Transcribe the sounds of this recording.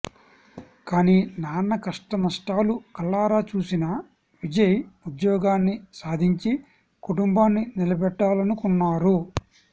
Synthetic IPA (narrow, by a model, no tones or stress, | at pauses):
kaːniːnaːnɐkɐʂʈɐnɐʂʈaːlukɐlːaːɾaːt͡ʃuːsinɐ | ʋid͡ʒɐjud̪jɔːɡaːnːisaːd̪ʱiɲt͡ʃi | kuʈumbaːnːinilɐbɛʈːaːlɐnukunːaːɾu